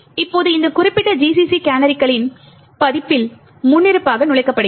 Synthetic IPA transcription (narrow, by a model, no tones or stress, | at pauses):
ɪpːoːðɯɪnd̪ɐkʊrɪpːɪʈːɐd͡ʒiːsisikaːnɐɾɪkːɐɭɪn | pɐðɪpːɪl | mʊnːɪɾɯpːaːɣɐnʊɭɐɪkːɐpːɐɽɯ